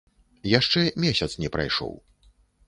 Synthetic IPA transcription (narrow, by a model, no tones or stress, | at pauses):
jaʂt͡ʂɛmʲesʲɐt̪snʲɛpɾa̰jʂɔ̰w